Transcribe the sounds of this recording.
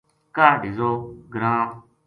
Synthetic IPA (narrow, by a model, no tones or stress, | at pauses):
kadizoɡɾã